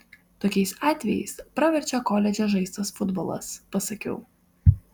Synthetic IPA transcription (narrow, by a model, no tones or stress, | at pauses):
t̪oːkʲɛɪsɑːt̪ʲʋʲɛjɛ̰ɪspɾɐʋʲɛɾʲt͡ʃʲɛkoːlʲɛd͡ʒʲoʒɐɪst̪ɐsfʊd̪boːlˠɐ̰spɐsɐkʲɛ̰ʊ